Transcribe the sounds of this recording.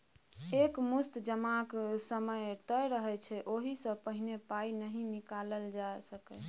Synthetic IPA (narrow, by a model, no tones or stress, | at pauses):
ekmust̪d͡ʒəmaksəməjt̪əjɾəɦɛt͡ʃʰɛʔoɦisə̃pəɦinepainəɦĩnikaləld͡ʒasəkɛ